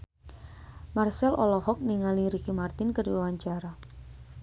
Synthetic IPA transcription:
marsɛlɔ̰lɔhɔk̚niŋaliɾikimart̪ɪnkərdiwawaɲt͡ʃaɾa

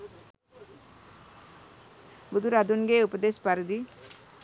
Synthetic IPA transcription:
bud̪uɾad̪unɡeupəd̪espaɾd̪i

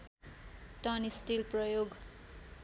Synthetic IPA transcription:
ʈʌnisʈilprʌjoɡ

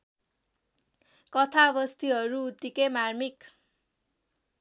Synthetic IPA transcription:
kʌt̪ʰabʌst̪iɦʌɾuːt̪ːikemarmik

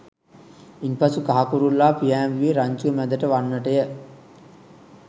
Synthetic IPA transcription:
inpɐsukaɦakuɾulːaːpijæːmʋiʋiɾaɲt͡ʃuəmæd̪əʈəʋanːəʈəjə

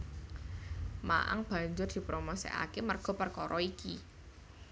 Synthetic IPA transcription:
ma̰ʔa̰ŋb̥ä̤ɲd͡ʒʊrd̪̥i̤pɾomosḛʔa̰kemərɡ̥ɔ̤pərkɔɾʔɔiki

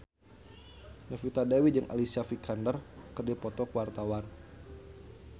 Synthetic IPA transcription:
nafit̪adawid͡ʒɨŋʔa̰lisiafikʰandərkɨrdipɔt̪ɔkuwart̪awan

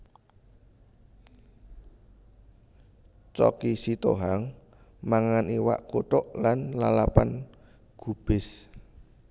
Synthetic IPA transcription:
t͡ʃɔ̰kisit̪oɦaŋ | maŋaniwa̰ʔkoʈɔʔlanlalapan | ɡ̥ub̥ɪs

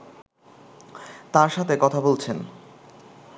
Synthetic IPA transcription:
t̪aɾʃat̪ʰekɔt̪ʰabolt͡ɕʰen

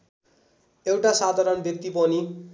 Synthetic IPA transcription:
ewʈasad̪ʱaɾʌnbʱjʌk̚t̪ipʌni

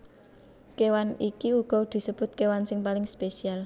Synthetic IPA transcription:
kewanikiuɡ̥ɔ̤d̪̥i̤səb̥ʊ̤t̪̚kewansɪŋpalɪŋspesial

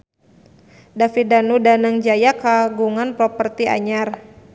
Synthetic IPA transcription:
dafidanudanəŋd͡ʒajakaɡuŋanpɾɔpərt̪ia̰ɲar

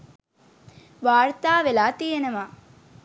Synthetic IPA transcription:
ʋaːɾt̪aːʋelaːt̪ijɐnɐma

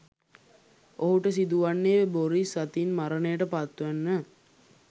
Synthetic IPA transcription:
oɦuʈəs̬id̪uʋanːeʋeboɾisat̪inmaɾənəjəʈəpat̪ːuʋænːə

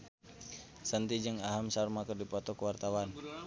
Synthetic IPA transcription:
sənt̪id͡ʒəŋaɦamsarmakərdipɔt̪ɔkəwart̪awan

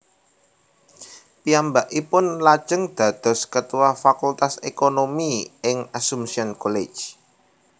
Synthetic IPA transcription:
piambaʔipʊnlḁʒ̥əŋd̪̥a̤d̪̥ɔ̤skət̪uwafakult̪asekonomiɪŋasumsiɔnkole̥d͡ʒ

